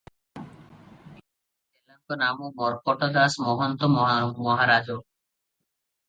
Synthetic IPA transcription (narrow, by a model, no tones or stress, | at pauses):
d̪elaŋkɔnamɔmɔɾpɔʈɔd̪asmɔɦɔnt̪ɔmɔɦmɔɦaɾad͡ʒo